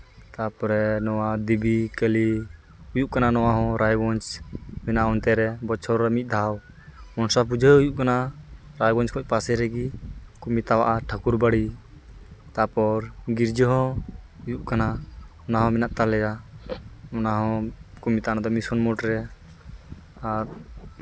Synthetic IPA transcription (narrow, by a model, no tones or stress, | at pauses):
t̪apɔɾɛnɔwad̪ibikəli | ujuʔkananɔwaɦɔ̃ɾajwɔnt͡ʃmɛnaʔɔnt̪ɛɾɛbɔt͡ʃʰɔɾɾamit̪̚ˀd̪ʱaw | mɔnsap̬ud͡ʒʱəujuʔkanaɾajɡɔnt͡ʃkʰɔc̚ˀpasɛɾɛɡikumit̪awaʔaʈʰakuɾbaɽi | t̪apɔɾɡiɾd͡ʒəɦɔ̃ | ujuʔkanaɔnaɦɔ̃mɛnaʔt̪alɛja | ɔnaɦɔ̃kumit̪anad̪ɔmisɔnmɔʈɾɛ | aɾ